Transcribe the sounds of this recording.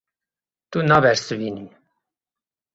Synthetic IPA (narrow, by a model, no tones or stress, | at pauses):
t̪unɑbɛɾsɨvini